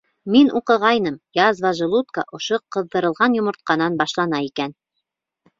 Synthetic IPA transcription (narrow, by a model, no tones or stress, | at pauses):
minʔuqɤ̆ʁɑjnɤmjɑzvɑʒɤ̆lˠut̪̚kaʔŏʃoqɤ̆ðːɤ̆ɾɤ̆lˠʁɑnjŏmŏɾt̪̚qɑnɑnbɑʃlˠɑnɑikæn